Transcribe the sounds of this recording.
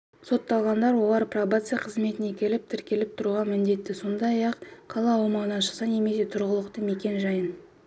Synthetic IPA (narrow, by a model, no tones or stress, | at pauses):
so̞t̪ːɑlˠʁɑnd̪ɑɾwo̞lˠɑɾprovat̪sɨjaqʰəzme̞t̪ɪne̞kʲʰe̞lɪp̚t̪ʰɪɾkʲe̞lɪp̚t̪ʰʊɾuʁɑmɪnd̪e̞t̪ːɪso̞nd̪ɑjɑqqʰːɑlˠɑɑwmɑɴənɑʃəqsɑne̞me̞se̞t̪ʰʊɾʁəlˠəqt̪əme̞kʲe̞nʒɑjən